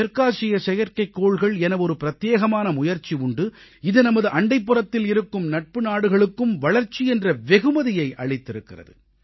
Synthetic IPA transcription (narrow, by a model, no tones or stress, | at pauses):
ɛɾkaːʂɪjɐsɛjɐɾkɐɪkːoːɭɣɐɭɛnɐʋɔɾɯpɪɾɐt̪jeːɣɐmaːnɐmʊjɐɾt͡ʃiʊɳɖɯɪðɯnɐmɐðɯʔɐɳɖɐɪpːɯrɐt̪ːɪlɪɾɯkːɯmnɐʈ̚pɯnaːɽɯɣɐɭɯkːɯmʋɐɭɐɾt͡ʃːiɛndrɐʋɛɣɯmɐðɪjɐɪʔɐ̰ɭɪt̪ːɪɾɯkːɪrɐ̰ðɯ̰